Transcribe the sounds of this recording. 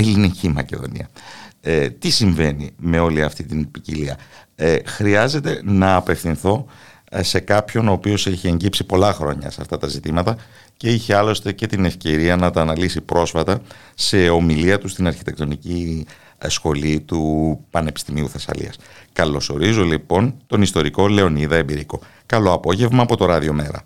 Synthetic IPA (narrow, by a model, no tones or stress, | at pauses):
elinicimɐce̞ðo̞̰nḭɐ | t̪isiɱve̞nime̞o̞liɐft̪it̪inipiciliɐ̰ | xɾiɐze̞t̪e̞nɐːpe̞fθinθo̞ | se̞kɐpço̞no̞ːpio̞se̞çieɲɟipsipo̞lɐxɾo̞̰ɲɐ̰seɐft̪ɐt̪ɐzit̪imɐt̪ɐ | ce̞içeɐlo̞st̪e̞ce̞t̪ine̞fce̞ɾiɐnɐt̪ɐːnɐlisipɾo̞sfɐt̪ɐ | se̞o̞miliɐt̪ust̪inɐɾçi̥t̪e̞k̚t̪o̞nici | sxo̞lit̪upɐne̞pi̥st̪imiuθesɐ̰lḭɐ̰skɐlo̞so̞ɾizo̞lipo̞nt̪o̞nist̪o̞ɾiko̞le̞o̞niðɐebiɾiko̞ | kɐlo̞ɐpo̞ʝe̞vmɐːpo̞t̪o̞ɾɐðio̞me̞ɾɐ̰